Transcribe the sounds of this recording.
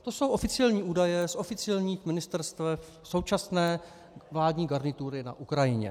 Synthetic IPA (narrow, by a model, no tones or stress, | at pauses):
t̪o̞so̞wʔo̞fɪt͡sɪjɛlɲiːʔuːdajɛsʔo̞fɪt͡sɪjɛlɲiːxmɪnɪst̪ɛɾst̪vɛf | so̞wt͡ʃasnɛː | vlaːdɲiːɡaɾnɪt̪uɾɪna̰ʔukɾajɪɲɛ̰